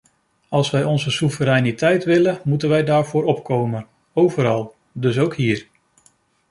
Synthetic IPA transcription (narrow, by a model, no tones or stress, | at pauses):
ɑlˠsʋɛjɔnzəsuvəɾɛjnitɛjtʋɪləmutənʋɛjdaːɹvʊːɾɔpkowmən | owvəɾɑlˠ | dɵsowkɦiːɹ